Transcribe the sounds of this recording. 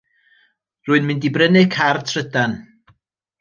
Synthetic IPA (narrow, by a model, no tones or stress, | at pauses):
rʊːɨnmɨndibrənɨkʰartʰrədan